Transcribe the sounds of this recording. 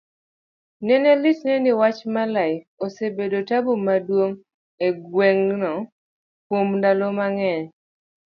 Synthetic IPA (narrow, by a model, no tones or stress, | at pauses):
nɛnɛlɪtnɛnɪwat͡ʃmalaɪ | osebedotabomadwoŋ | eɡweŋnɔ | kwomndalomaŋɛɲ